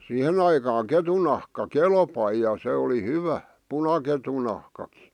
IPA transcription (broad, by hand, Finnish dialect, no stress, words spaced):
sihen ɑikɑːŋ ketun nɑhkɑ kelpɑi jɑ se oli hyʋæ punɑketu nɑhkɑki̥